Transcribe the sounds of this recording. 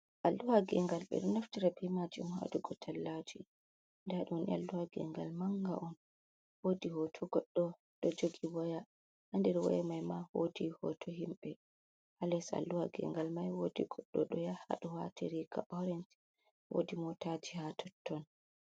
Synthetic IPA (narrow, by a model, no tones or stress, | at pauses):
ʔalːuwaɡɛŋɡalɓɛ̰ɗɔnaftiɾabimad͡ʒimha̰duɡɔtʰalːad͡ʒi | ndɛaɗnḭa̰lːuwaɡɛ̰ŋɡalmaŋɡa̰ʔɔn | wodihɔtʰɔɡɔɗːɔ | ɗɔd͡ʒoɡiwaja | ʔandɛɾwɔ̰jɛmajmahodihɔtʰɔɦimɓɛ | halɛsa̰lːuwaɡɛ̰ŋɡalmajwodiɡɔɗːɔ̰ɗɔjaha̰ɗɔwa̰tʰiɾika̰ʔɔɾɛnt | wo̰dimɔtad͡ʒihatʰɔtʰːɔn